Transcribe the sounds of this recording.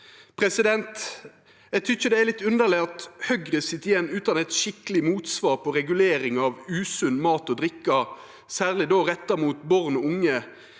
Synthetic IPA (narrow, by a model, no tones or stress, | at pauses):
pʰʁɛsɪd̪ɛnt̪ | ɛɡ̚t̪ʰʏçəd̪ɛælɪt̪ːʉnd̪əleɑt̪hœɡʁəsɪt̪ːɪjɛnːʉːt̪ɑnɛt̪ʃɪkəlɪmuːt̪sʋɑːʁpʰɔʁɛɡʉleːɾɪŋɑʋʉːsʉnmɑːt̪ɔd̪ʁɾɪkːɑ | sæːʁlɪd̪oːʁɛt̪ːɑmuːt̪bɔʁnɔʊŋːə